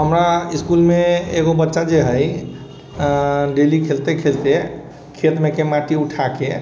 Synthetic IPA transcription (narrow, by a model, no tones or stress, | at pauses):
ɦəmɾaiskulmeeɣobətːʃad͡ʒeɦəj | ɖelikʰelt̪ekʰelt̪e | kʰet̪mekemaʈiuʈʰake